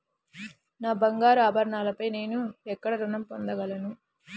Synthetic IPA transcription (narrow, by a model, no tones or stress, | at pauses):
naːbɐŋɡaːɾuaːbʱɐɾɐɳaːlɐpɐjne̞ːnuɛkːɐɽɐɾunɐmpond̪ɐɡɐlɐnu